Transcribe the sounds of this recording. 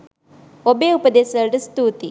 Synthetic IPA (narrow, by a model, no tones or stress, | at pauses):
obeːupɐd̪eːsɐɖust̪uːt̪i